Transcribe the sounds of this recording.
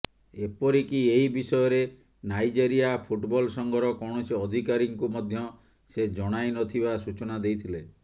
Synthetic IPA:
epɔɾikieɦibisɔjɔɾe | najd͡ʒeɾijapʰuʈbɔlsɔŋɡʱɔɾɔkɔɽ̃ɔseɔd̪ʱikaɾiŋkumɔd̪ʱjɔ | sed͡ʒɔɽ̃ajnɔt̪ʰibasut͡ʃɔnad̪ejt̪ʰile

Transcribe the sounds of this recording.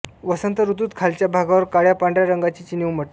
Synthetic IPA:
ʋəsənt̪əɾut̪uːt̪kʰalt͡ɕjabʱaɡaʋəɾkaɽjapaɳɖɾjaɾəŋɡat͡ɕiːt͡ɕiniwməʈ

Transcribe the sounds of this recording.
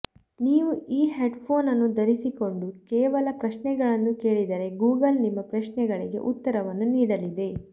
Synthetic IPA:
niːʋuiːɦeːɖpʰo̞ːnɐnːud̪ɐɾisiko̞ɳɖukɛːʋɐlɐpɾɐʃnɛɡɐɭɐnːuke̞ːɭid̪ɐɾe̞ɡuːɡɐlnimːɐpɾɐʃnɛɡɐɭiɡe̞̰ʔut̪ːɐɾɐʋɐnːuniːɽɐlid̪e̞

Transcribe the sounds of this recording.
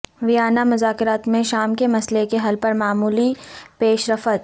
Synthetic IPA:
ʋijaːnamʊzaːkɪɾaːt̪mẽʃaːmkemɐslekeɦɐlpɐɾmaːmuːlipeːʃɾɐfət̪̚

